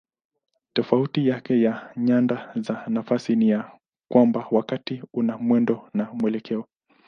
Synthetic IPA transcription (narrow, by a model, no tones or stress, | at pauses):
tɔfautijakɛjaɲandazanafasinija | kwambawakatiunamwɛndɔnamuwɛlɛkʰɛɔ